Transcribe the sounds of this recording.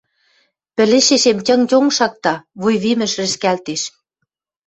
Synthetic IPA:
pɘ̆lĕʃeʃemtʲɤ̆ŋtʲoŋʃɑk̚t̪ɑβujβimɘ̆ʃrɘ̆ʃkælt̪eʃ

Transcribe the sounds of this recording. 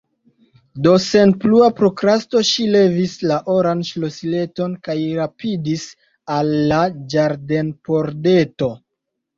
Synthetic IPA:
do̞se̞npluapɾo̞kɾasto̞ʃile̞vislaʔoɾanʃlosileto̞nkajɾapidis | alːad͡ʒaɾde̞npo̞ɾde̞to̞

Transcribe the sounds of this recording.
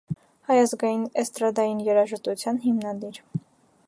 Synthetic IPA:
hɑjɑzɡɑjinɛst̪ɾɑd̪ɑjinjɛɾɑʒət̪ut͡sʰjɑnɦimnɑd̪iɾ

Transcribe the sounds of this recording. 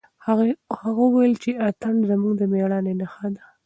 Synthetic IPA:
haɣawajəlt͡ʃeʔat̪anzəmuɡd̪əmeɽɑnenaxad̪a

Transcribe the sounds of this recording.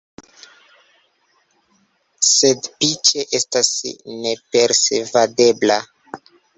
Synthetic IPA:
sedpit͡ʃeʔestasne̞peɾsevade̞bla

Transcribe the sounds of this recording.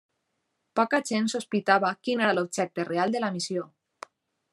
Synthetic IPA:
pɔkaʒensuspit̪aβakineɾalob̚ʒɛk̚t̪erealˠd̪elamisjo

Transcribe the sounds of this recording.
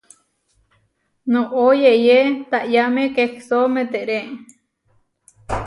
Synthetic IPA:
nõʔojejet̪aʔjamẽkeksomẽt̪eʔɾe

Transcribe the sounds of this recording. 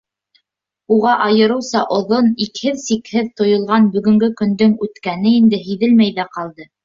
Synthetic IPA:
uʁɑʔɑjɤ̆ɾɤ̆wsɑʔŏðonikhɘðsikhɘðt̪ŏjŏlˠʁɑnbɵ̆ɡɵ̆ŋɡɵkɵ̆nd̪ɵŋʉt̪kænɘind̪ɘɦiðɘlmæjðæqɑlˠd̪ɤ

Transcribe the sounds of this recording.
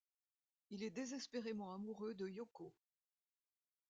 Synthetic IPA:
ilɛd̪ezɛspeʁemɑ̃amuʁød̪əjɔko

